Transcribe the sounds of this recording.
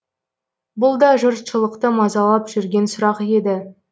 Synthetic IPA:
bʊlˠd̪ɑʒəɾt̪ʃəlˠəqt̪əmɑzɑlˠɑpʒ̥ʏɾɡʲe̞nsʊɾɑqe̞d̪ɪ

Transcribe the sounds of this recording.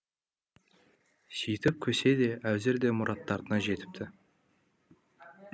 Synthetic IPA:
sijt̪ɪp̚kʲʰɵse̞d̪e̞ʔæwzɪɾd̪e̞mʊɾʔɑt̪ːɑɾd̪ənɑʒe̞t̪ɪ̥p̚t̪ʰɪ

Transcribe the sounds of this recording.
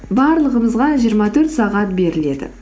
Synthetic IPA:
bɑɾlˠəʁəməzʁɑʒijəɾmɑt̪ʰɵɾt̪sɑʁɑt̪̚be̞ɾɪle̞d̪ɪ̰

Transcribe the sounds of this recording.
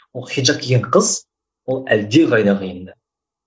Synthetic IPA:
wolˠχijʒɑkʲʰeɡʲeɴqʰəz | wolˠæld̪eʁɑjnɑqəjənd̪ə

